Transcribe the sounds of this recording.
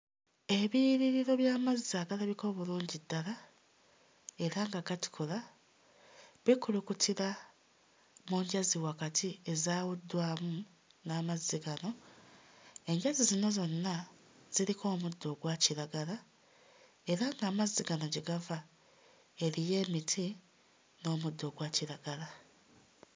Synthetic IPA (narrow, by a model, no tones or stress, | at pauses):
e̞βiɾiɾiɾo̞βjaːmazaɡalaβiko̞ːβuluːɲɟidːala | e̞ɾaŋɡaɡati̥kʰola | βikulukutʰiɾa | muɲɟaziwakatʰie̞zaːwudːwaːmu | naːmazːiɡano̞ | e̞ɲɟazizino̞zo̞nːa | z̥iɾikʰo̞ːmudːo̞ɡwaciɾaɡala | e̞ɾaŋɡaːmaziɡano̞ɟeɡava | e̞ɾije̞ːmitʰi | no̞ːmud̪ːo̞ɡwaːciɾaɡala